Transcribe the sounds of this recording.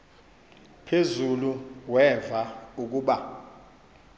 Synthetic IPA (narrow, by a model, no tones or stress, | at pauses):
pʰezuluwɛvauk̬uːɓa